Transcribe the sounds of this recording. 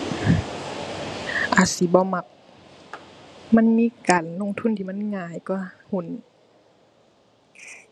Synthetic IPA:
ʔaː˨˩t̪̚si˨˦bɔː˧˦ma˧˩k̚ | ma˧˥˨nmiː˧˨kaː˨nlo˧˥˨ŋt̪ʰu˧˥˨nt̪ʰiː˧˨ma˧˥˨nŋaː˧˩˨jkɔ˧˩hu˧˩˨n

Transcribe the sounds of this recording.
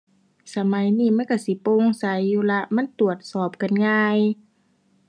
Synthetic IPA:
sa˧ma˨˦jniː˧˩˨ma˧˥˨nka˧˩si˧˦poː˧˨ŋsa˨˦jːuː˧˨la˧ʔma˧˥˨nt̪u˨˩ət̪̚sɔː˨˩p̚ka˨nŋaː˧j

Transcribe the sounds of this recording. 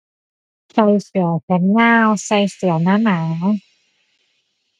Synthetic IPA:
sa˧jsɯ˨˩˦pʰɛ˦˥nːaː˧wsa˧jsɯ˩˦ɐnaː˧˥maː˩˦

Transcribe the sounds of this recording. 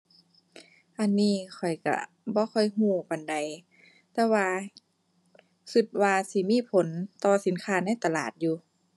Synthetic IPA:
ʔa˧˩nːiː˧˩˨kʰɔ˨˩jka̰˧˩ | bɔː˧˦kʰɔ˧˩jɦuː˧˩pa˨nda˨˩j | t̪ɛː˧waː˧ | sɯ˧t̪̚waː˧si˧˦miː˧˥˨pʰo˨˦nt̪ɔː˧si˨˦nkʰaː˧˨na˧˥˨jt̪a˧laː˨˩t̪̚juː˧

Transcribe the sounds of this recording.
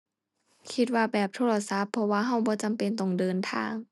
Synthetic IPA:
kʰi˧t̪̚waː˧bɛː˨˩p̚t̪ʰoː˧˨la˧sa˧˥pʰːɔ˧waː˧ɦa˧˩wbɔː˧˦t͡ɕa˨mpe˨nt̪o˨˩ŋdɤː˧˨nt̪ʰa̰ː˧ŋ

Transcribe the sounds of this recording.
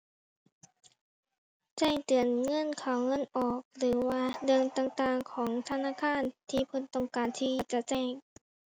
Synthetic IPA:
t͡ɕɛ˧˩ŋt̪ɯ˨˩ənŋɤ˧˥˨nkʰaː˨˩wŋɤ˧˥˨nʔɔː˨˩k̚lɯː˩˦waː˧dɯ˧əŋt̪aː˨˩ŋt̪aː˨˩ŋkʰɔː˩˦ŋt̪ʰa˧naː˧˥˨kʰaː˧˥˨nt̪ʰiː˧˨pʰo˧˦nt̪ɔ˧˩ŋkaː˨nt̪ʰiː˧˥˨t͡ɕa˧˩t͡ɕɛː˧˩ŋ

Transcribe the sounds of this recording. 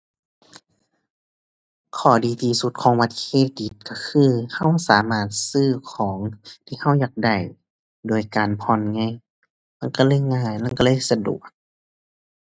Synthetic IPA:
kʰɔː˧˩diː˨t̪ʰiː˧su˧˦t̪̚kʰɔː˨˦ŋba˧t̪̚kʰeː˧˨t̪̚di˧˦t̪̚ka˧˩kʰɯː˧˥˨ha˧˥˨wsaː˨˦maː˧˩t̪̚sɯː˧˥˩kʰɔː˨˦ŋt̪ʰiː˧ha˧˥˩wjaː˧˩k̚da˨˩j | doː˨˩jkaː˨npʰɔ˧˩˨nŋɛ˧˥˨ŋ | ma˧˥˨ŋka˧˩lɤː˧˥˨jŋaː˧˥˨jlaː˧˥˨ka˧lɤː˧˥˨jsa˧dṵ˨˩ək̚

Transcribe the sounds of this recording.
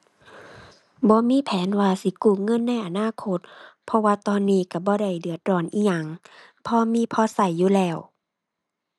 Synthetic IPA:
bɔː˧˦miː˧˥˨pʰɛː˨˦nwaː˧si˧˦kuː˧˩ŋɤ˧˥˨nːa˧˥˨jʔa˧˨naː˧˥˨kʰo˧˥t̪̚pʰɔ˧waː˧t̪ɔː˧˨nːiː˧˩˨ka˧˩bɔː˧˦da˧˩jdɯ˨˩ət̪̚ɾɔː˧˩˨nʔiː˧˩ɲa˧˩˨ŋ | pʰɔː˧miː˧˥˨pʰɔː˧˨sa˧˩jːuː˧˨lɛː˧˩w

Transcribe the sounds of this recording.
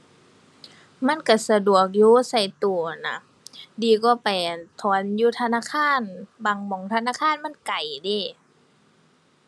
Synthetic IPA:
ma˧˥˨nka˧˩sa˧du˨˩ək̬̚juː˧˦sa˧˩jt̪u˨˩na˧˦ | diː˨kɔː˧˦pa˨jt̪ʰɔː˧˦njuː˧˦t̪ʰa˧naː˧˥˨kʰaː˧˥˨nbaː˨˩ŋmɔ˨˦ŋt̪ʰa˧naː˧˥˨kʰaː˧˥˨nma˧˥˨nka˨˩jde˧˨

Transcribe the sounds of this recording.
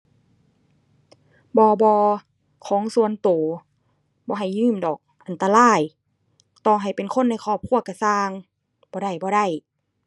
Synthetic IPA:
bɔː˧bɔː˧ | kʰɔː˨˦ŋsu˧˨ənt̪oː˨˩ | bɔː˧˦ɦa˨˩jːɯː˧˩˨mdɔː˨˩k̚ʔa˨nt̪a˧laː˧˥˩j | t̪ɔː˧˩ŋɦa˨˩jpe˨nkʰo˧˥˨nːa˧˩jkʰɔː˧˩p̚kʰu˧˥˩ɐka˧˩saː˧ŋ | bɔː˧ɾa˧˩jbɔː˧˦ɾa˧˥˩j

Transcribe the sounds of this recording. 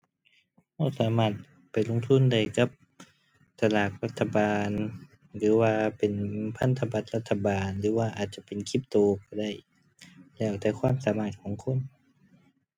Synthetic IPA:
ha˧˩saː˨˦maː˧˩t̪̚ | pa˨˩jlo˧˨ŋt̪ʰu˧˥˨nda˧˩jka˧˦p̚ | t̪a˧laː˨˩k̚la˧t̪ʰːa˧baː˨n | lɯː˨˦waː˧pe˨npʰa˧˥˨nt̪ʰa˧ba˧˦t̪̚la˧t̪ʰːa˧baː˨nlɯː˨˦waː˧ʔaː˨˩t̪̚t͡ɕa˧˦pe˨nkʰi˧˩p̚t̪oː˨˧kɔ˧˩da˧˥˩j | lɛː˧˩wt̪ɛː˧˩kʰwaː˧˥˨msaː˨˦maː˧˩t̪̚kʰɔː˨˦ŋkʰo˧˥˨n

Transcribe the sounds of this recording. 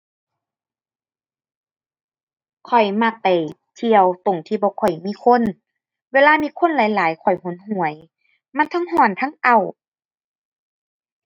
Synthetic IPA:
kʰɔ˨˩jma˧˩k̚pa˨˩j | t̪ʰi˧əwt̪o˨˩ŋt̪ʰiː˧˩bɔː˧˦kʰɔ˨˩jmiː˧˨kʰo˧˥˨n | weː˧˨laː˧˨miː˧˨kʰo˧˥˨nlaː˨˦jlaː˨˦jkʰɔ˨˩jho˨˦nɦu˨˩ə˦j | ma˧˥˨nt̪ʰa˧˥ŋɦɔː˧˩nt̪ʰa˧˥˨ŋʔa˧˩w

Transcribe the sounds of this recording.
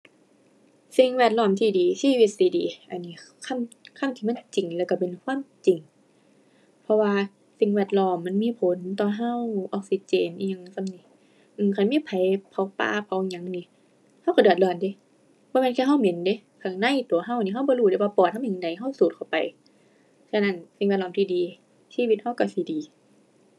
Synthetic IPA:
si˧ŋwɛː˧˩t̪̚lɔː˧˩˨mt̪ʰiː˧˩diː˨˦siː˧˨wi˧˩t̪̚siː˧˩˨diː˨˦ʔa˨nːiː˧˨kʰa˧˥˨mkʰa˧˥˨mt̪ʰi˧ma˧˥˨nt͡ɕi˨˩ŋlɛː˧˩wka˧˩pe˨nkʰwaː˧˥˨mt͡ɕi˨ŋ | pʰɔ˧waː˧ | si˧˦ŋwɛː˧˩t̪̚lɔː˧˩mːa˧˥˨nmiː˧˨pʰo˨˦nt̪ɔː˧ɦa˧˥˨wʔɔː˧k̚si˧˦t͡ɕeː˨nʔi˧ɲa˧˨ŋ˧sa˧mni˧˩ | ʔɯː˧˩kʰa˧˩˦miː˧˥˨pʰa˨˦jpʰa˧˦wpa̰ː˧˩pʰa˨˦wʔɲa˧˦˨ŋniː˧˩˨ | ha˧˥˨wka˧dɯ˨˧˩t̪̚lɔː˧˩nde˧˦ | bɔː˧˦mɛː˧˥˨nkʰɛː˧ɦa˧˥˨wme˨˦nde˧˦ | kʰa˧˩ŋna˧˥˨jt̪u˨˦ɐɦa˧˥˨wni˧˨a˧˩˨bɔː˧˦luː˧˩ɾe˧˩waː˧pɔː˨˩t̪̚hʰa˧˥˨ɲa˨˧ŋda˨˦jɦa˧˥˨wsuː˨˦t̪̚kʰa˧˩wpa˨j | sa˧na˧˥˩nsi˨ŋɛ˧˩t̪̚lɔː˧˨mt̪ʰiː˧˨diː˨˦ | siː˧˨wi˧t̪̚ha˧˥˨wka˧˩si˧˦diː˨˦

